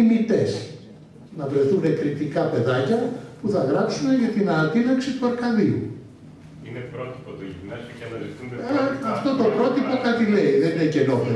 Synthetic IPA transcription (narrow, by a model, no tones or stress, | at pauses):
imit̪e̞s | nɐvɾe̞θune̞kɾipt̪ikɐpe̞ðɐcɐpuθɐɣɾɐpsune̞ʝɐt̪inɐt̪inɐksit̪uɐɾkɐðiṵ | inɾot̪i̥p̪ | uɐɐɐft̪o̞t̪o̞pɾo̞t̪ipo̞kɐt̪ileiðeninece̞nope